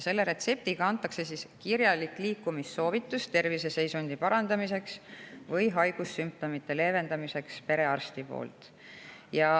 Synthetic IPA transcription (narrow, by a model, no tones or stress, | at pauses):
se̞lːe̞ɾe̞t̪se̞p̚t̪iɡ̥ɑɑnt̪ːˑɑkse̞siskirjɑlikːˑliːkːumisːo̞ːvit̪ːˑust̪e̞rvise̞se̞jsunʲd̪̥ipɑɾɑnd̪̥ɑmise̞ksvɤjɦɑjɡ̥usːymp̚t̪o̞mit̪ːe̞le̞ːve̞nd̪̥ɑmise̞kspe̞ɾe̞ɑrst̪ipo̞̰ːlt̪ | jɑ